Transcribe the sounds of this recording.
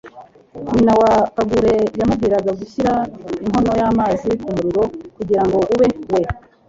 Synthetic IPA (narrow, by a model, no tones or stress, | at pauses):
ɲinawapaɡuɾe̞jamub̚ɡiːɾaɡaɡuçiɾaiŋɦo̞no̞jaːmaːzikumuɾiɾo̞kuɟiɾaŋɡo̞ʔuβe̞we̞